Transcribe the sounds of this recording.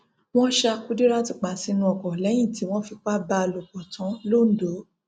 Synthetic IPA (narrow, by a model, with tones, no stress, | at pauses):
w̃ɔ̃˦ʃa˧ku˦di˦ɾa˦ti˦k͡pa˨si˧nũ˧˦ɔ˨kɔ˨lɛ˨˦j̃ĩ˦˨ti˨˦w̃ɔ̃˦fi˧k͡pa˦ba˧lo˨bɔ˨tã˨˦lo˦˨n̩˦do˨˦